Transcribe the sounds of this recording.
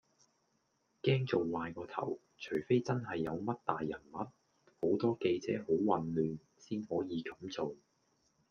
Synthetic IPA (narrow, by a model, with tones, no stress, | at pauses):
kɛː˥ŋt͡so˨wːaː˨˧jkɔː˧t̪ʰɐ̰˨˩w | t͡ʃʰɵ˨˩jfe˥jt͡sɐ˥nɦɐ˨jːɐ˨˧wmɐ˥t̚t̪aː˨jːɐ˨˩nmɐ˨˥t̚ | ho˨˥wt̪ɔː˥ke˧jt͡sɛ̰ː˨˥ho˨˥wwɐ˨nlyː˨n | siː˥nhɔː˨˥jiː˨˧kɐ˨˥mt͡so˨w